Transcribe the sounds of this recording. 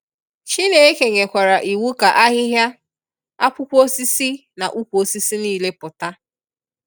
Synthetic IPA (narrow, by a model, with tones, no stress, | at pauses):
t͡ʃi˦ne˨e˦ke˨ŋe˨kʷa˨ɾa˨ʔi˨wu˦ka˨ʔa˦ɣɪ˦ɦja˦ | a̰˦pʊ˦kʷo˦si˦si˦na˨ʔu˦kʷu˨o˦si˦si˦niː˦˨le˦pʊ˨ta˦